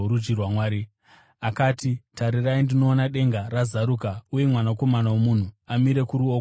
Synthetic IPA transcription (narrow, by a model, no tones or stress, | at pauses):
ɾud͡ʒirwamwaːɾi | akaːtitʰaɾiraindino̞ːnaɗe̞ŋɡarazaɾukauje̞mwanako̞manawomun̤uamiɾe̞kuɾuo